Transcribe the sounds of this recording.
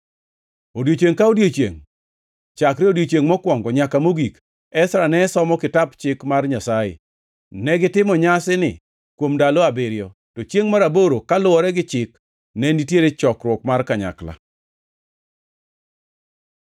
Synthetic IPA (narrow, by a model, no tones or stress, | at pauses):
odjot͡ʃeŋkaodjot͡ʃjeŋ | t͡ʃakɾɛodjot͡ʃjeŋmɔkwɔŋɡɔɲakamoɡik | ɛsɾanɛsɔmɔkɪtapt͡ʃɪkmarɲasajɪ̰ | nɛɡɪtɪmɔɲasɪnɪ | kwomdaloabɪɾjɔ | tɔt͡ʃeŋmaɾaboɾokalʊwɔɾɛɡɪt͡ʃɪk | nɛnitjeɾet͡ʃɔkɾwɔkmarkaɲa̰kla̰